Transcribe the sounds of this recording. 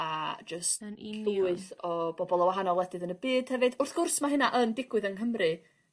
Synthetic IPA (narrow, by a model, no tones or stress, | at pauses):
ad͡ʒəstɬɪɨθɔb̥ɔbɔlˠɔwaɦanɔlˠɛdɨðənəbɨːd̥hɛvɨd̥ʊrθɡ̥ʊrsmaɦɪnaʔəndɪɡwɨðənɦəmrɨ